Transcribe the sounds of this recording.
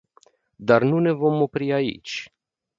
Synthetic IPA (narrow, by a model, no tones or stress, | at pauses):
d̪arnune̞vo̞mo̞pɾiaḭt͡ʃʲ